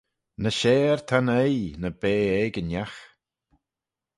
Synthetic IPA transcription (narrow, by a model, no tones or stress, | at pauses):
nəʃeːɹt̪ʰanejnəbeːɛɡənjax